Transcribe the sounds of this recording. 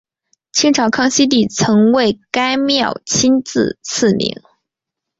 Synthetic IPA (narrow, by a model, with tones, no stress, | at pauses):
t͡ɕʰi˥ŋʈ͡ʂʰɑ˧˥ʊkʰɑ˥˧ŋɕi˥t̪̬i˥˩t͡sʰɤ˧˥ŋwe˥˩ɪka˥ɪmjɑ˥˩ʊt͡ɕʰi˥nt͡sɹ̩˥˧t͡s̩ʰ˥˩nḭ˧˥ŋ